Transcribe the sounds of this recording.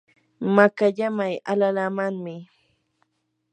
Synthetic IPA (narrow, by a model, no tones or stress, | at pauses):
makaʎamaja̰lalamaŋmɪ